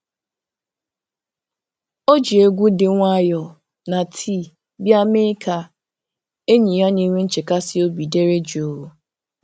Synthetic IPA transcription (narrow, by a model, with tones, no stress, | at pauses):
o˦d͡ʒi˨e˦ɡʷu˦dɪ˨ŋʷa˦jɔ˨ | na˨tʰi˦˨ | bja˦me˦ka˦ | e˦ɲi˨ɦa˦ni˦ŋʷe˦n̩˦t͡ʃe˨ka˦sɪ˦o˦bi˨de˦ɾe˦d͡ʒi˨o˨wu˦